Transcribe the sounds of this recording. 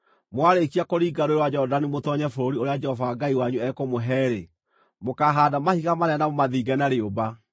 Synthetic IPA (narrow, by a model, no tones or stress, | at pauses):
mwaɾekiakoɾiːɡaɾoɾwad͡ʒɔɔdanimotɔɲɛfoɾoɾioɾead͡ʒɛhɔvaːɡaiwaɲuɛkɔmoɦɛːɾe | mokaːɦadamahiɣamaɾɛanamomaðiːɡɛnaɾeoba